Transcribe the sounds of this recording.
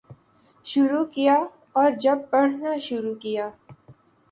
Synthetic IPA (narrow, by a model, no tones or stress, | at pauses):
ʃʊɾukija | ɔːɾd͡ʒɐb̚ːɐɽ̤naʃʊɾukijaː